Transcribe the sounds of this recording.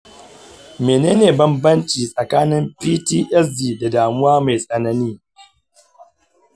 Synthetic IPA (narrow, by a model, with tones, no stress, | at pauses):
meː˨neː˦neː˨bɐ˦mbɐ˦nt͡ʃiː˨sʼɐ˨kaː˦nɪ˦mpiː˦tiː˦ʔɛ˦s̬diː˨da˨daː˨mʊ˦waː˦ma˨jsʼɐ˨nɐ˦niː˦